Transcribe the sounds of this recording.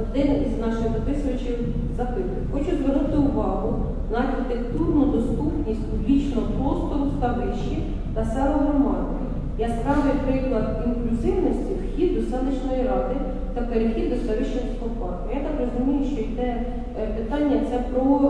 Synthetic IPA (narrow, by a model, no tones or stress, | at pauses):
ɔd̪ɪniznɑʃɪɣd̪ɐpɪsɐʋɐt͡ʃɪw | zɐpɪt̪ʊjʊxɔt͡ʃʊzʋernut̪ɪʊʋɑɦʊ | nɐɐxʲɪt̪ekt̪urnʊd̪ɔst̪upnʲisʲtʲpublʲit͡ʃnɔpɾɔst̪ɔst̪ɐʋɪʃt͡ʃi | t̪ɐsɛɾˠɔɦɾɔmɑd̪ɪ | jaskɑʒʊjɛpɾɪklˠɐd̪inklʲʊzɪwnɔsʲtʲiwxʲid̪ːɔsɑlɪt͡ʃnɔjiɾɑd̪ɪ | t̪ɐpeɾɪxʲid̪ːɔst̪ɐʋɪʃɔɦɪsp̪ɔpɑt̪ɐjat̪ɑkrɔzʊmʲijʊʃt͡ʃɔjit̪ɛ | pɪt̪ɑnʲːɐt̪sɛpɾɔ